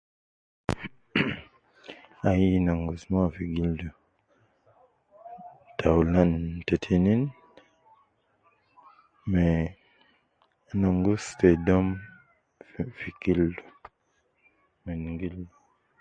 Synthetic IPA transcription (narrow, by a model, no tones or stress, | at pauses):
ajinɔŋɡusmafiɡildu | tʰawlantetʰinin | mɛ | nɔŋɡustedɔm | fiɡildu̥ | mɛnŋɡildu